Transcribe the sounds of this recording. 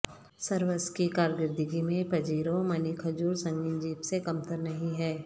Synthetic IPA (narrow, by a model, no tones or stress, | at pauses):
səɾʋəskikaːɾɡɪɾd̪ɪɡimẽpɐd͡ʒiːɾomɐnikʰɐd͡ʒuːɾsɐ̃ŋɡɪ̃nd͡ʒiːbsekɐmt̪əɾnɐɦĩɦɛː